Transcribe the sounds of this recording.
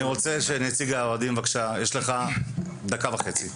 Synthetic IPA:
iʁo̞t͡se̞ʃe̞net͡siɡaoadimvakʃajeʃleχa | d̪akavaχe̞t͡si

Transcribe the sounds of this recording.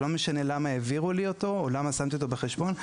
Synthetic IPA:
lo̞meʃane̞lamaeviʁuliot̪o̞ːlamasamt̪io̞t̪obeχeʃbo̞n

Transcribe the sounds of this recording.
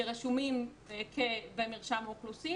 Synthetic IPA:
eʁeʃumim | kʰevemiʁʃamoχlusi

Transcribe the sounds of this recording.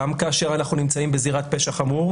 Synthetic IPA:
amkaːʃe̞ʁanaχnunimt͡saimbeziʁat̚peʃaχamuʁ

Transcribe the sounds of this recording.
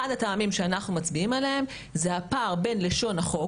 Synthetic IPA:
adataːmimʃe̞anaχnumat͡sbiimaleem | zehapaːʁbe̞nle̞ʃo̞naχo̞

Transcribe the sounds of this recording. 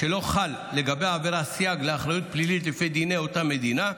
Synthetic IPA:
ʃe̞lo̞χalːe̞ɡabe̞jaːveʁasjaɡleaχʁajut̪̚plilitlefid̪ineo̞tame̞d̪ina

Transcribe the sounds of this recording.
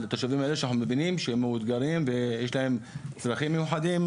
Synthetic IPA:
lat̪oʃavimaʔeleʃeanaħnumevinimʃeemːeud̪ɡaɾimvejeʃlahemt͡sɾaχimːejuħad̪im

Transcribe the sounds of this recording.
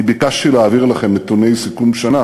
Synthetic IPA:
ibikaʃilaːviʁlaχe̞mːet̪une̞jsikumʃana

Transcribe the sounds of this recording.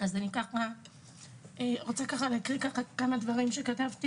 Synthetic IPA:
azanikaχa | eʁot͡sakaχaleakʁikaχakamadvaʁimʃe̞katavti

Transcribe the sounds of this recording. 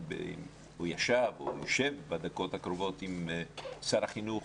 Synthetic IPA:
bḛ | ujaʃavojoʃevbad̪ako̞t̪hakɾovo̞t̪imsaɾaχinuχ

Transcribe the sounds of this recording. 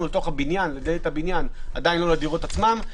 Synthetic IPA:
ulet̪o̞χhabinjanled̪elethabinjanad̪ajinlo̞lad̪iʁo̞t̪at͡smam

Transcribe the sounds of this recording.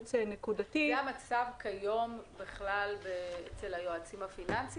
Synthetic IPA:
t͡senekudatijamat͡savkajo̞mbiχlalbeet͡selajoat͡simhafinansi

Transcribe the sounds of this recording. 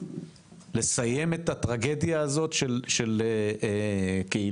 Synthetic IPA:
le̞saje̞me̞tat̪ʁaɡe̞djaːzo̞tʃelʃe̞le | kei

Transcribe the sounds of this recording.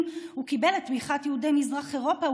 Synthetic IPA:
mukibeletbiχat̪jehudejmizʁaχeʁo̞pa

